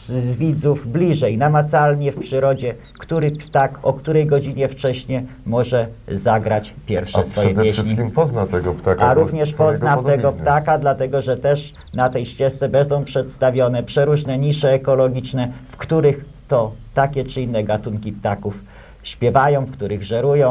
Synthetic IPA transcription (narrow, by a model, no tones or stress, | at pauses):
zvʲid̪zuvblʲiʐɛjnamat̪salɲɛfpʂɘɾɔd͡ʑɛ | kt̪uɾɘpt̪akɔkt̪uɾɛjɡɔd͡ʑiɲɛft͡ʂɛɕɲɛ | mɔʐɛzaɡɾat͡ɕpʲjɛɾfʂɛsfɔjɛp̪jeɕɲiimpɔznat̪ɛɡɔpt̪akaɾuvɲɛʂpɔznat̪ɛɡɔp̪akad̪lat̪ɛɡɔʐɛt̪ɛʂ | nat̪ɛjɕt͡ɕɛst̪sɛbɛnd̪ɔ̃w̃pʂɛt̪st̪avʲjɔnɛpʂɛɾuʐnɛɲiʂɛːkɔlɔɡʲit͡ʂnɛfkt̪uɾɘx | t̪ɔt̪akʲɛt͡ʂɘinːɛɡat̪uŋkʲipt̪akuf | ɕpʲjɛvajɔ̃w̃fkt̪uɾɘɣʐɛɾujɔ̃w̃